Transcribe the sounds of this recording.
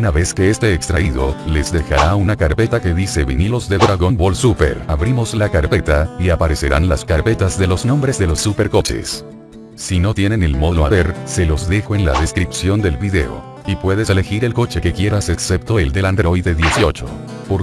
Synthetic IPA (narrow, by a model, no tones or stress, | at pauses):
unaβe̞ske̞est̪eːkst̪ɾaiðo̰le̞zðe̞xa̰ɾaunakaɾpe̞t̪ake̞ðise̞βḭnilo̞zðeðɾaɣo̞nbolsupe̞̰ɾaβɾimo̞slakaɾpe̞t̪aiapaɾe̞se̞ɾa̰nlaskaɾpe̞t̪azðe̞lo̞znombɾe̞zðelo̞sːupe̞ɾko̞t͡ʃe̞̰s | sino̞t̪je̞ne̞nelmoðloa̰βe̞ɾse̞lo̞zðe̞xoenla̰ðe̞skɾipsjo̞nd̪e̞lβiðe̞̰o̰ | ipwe̞ðese̞le̞xiɾe̞lko̞t͡ʃe̞kekje̞ɾase̞kse̞p̚t̪o̞eld̪e̞land̪ɾo̞ieðje̞sjo̞t͡ʃo | poɾ